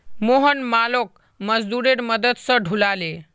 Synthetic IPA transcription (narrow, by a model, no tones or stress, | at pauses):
moɦənmalok̚ | məd͡zd̪uɾeɾməd̪əd̪səɖʱulale